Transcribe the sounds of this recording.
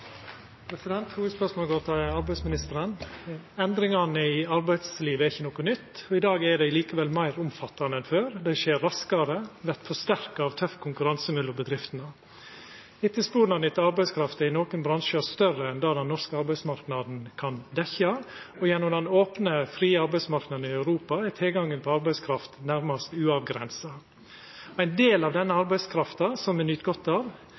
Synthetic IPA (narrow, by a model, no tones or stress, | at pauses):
pʰɾɛsɪd̪ɛnt̪huːʋəd̪spœʂmoːlɡoːɾt̪ʰɑːɑɾbæɪsmɪnɪst̪əɾənɛnd̪ɾɪŋɑnəɪɑɾbæɪd̪sliːʋəɛɾɪçənɔkɔnʏt̪ːɔɪd̪ɑːɡɛɖ̪ɛɪliːkəʋɛlmæɪɾʊmfɑt̪ːɑnəɛnføːɾd̪æɪʂeːɾːɑskɑɾəʋɛɾt̪fɔʂt̪æɾkɑɑʋt̪ʰœfkʰʊŋkʉɾɑnsəmʉlːəbəd̪ɾɪft̪ənə | ɪt̪ːəspuːnɑnɪt̪ɑɾbæɪskʰɾɑft̪ɪnoːkənbɾɑŋʃəɔst̪œrəɛnd̪ɑːd̪ɛnːɔɾskəɑɾbæɪsmɑɾknɑːd̪n̩kʰɑnd̪ɛçɑ | ɔjɛnːɔmd̪ɛnoːpnəfɾiːɑɾbæɪsmɑɾknɑd̪n̩ɪɑʉɾuːpɑɛt̪ʰɪlɡɑŋːənpʰɔɑɾbæɪskʰɾɑft̪næɾmɑst̪ʉːɑʋɡɾɛ̰nsɑ | æɪnd̪eːlɑʋd̪ɛnːəɑɾbæɪskʰɾɑft̪ɑsɔmɛnʏt̪ɡɔt̪ːɑːʋ